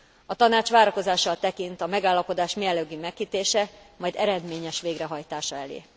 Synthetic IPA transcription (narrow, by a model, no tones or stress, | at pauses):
ɒt̪ɒnaːt͡ʃʋaːɾɒko̞zaːʃːɒlt̪ɛkint̪ɒmɛɡaːlːɒpo̞d̪aːʃmiɛlːøɡymɛkhit̪eːʃɛmɒjd̪ɛɾɛd̪meːɲɛʃʋeːɡrɛɦɒjt̪aːʃɒɛlḛː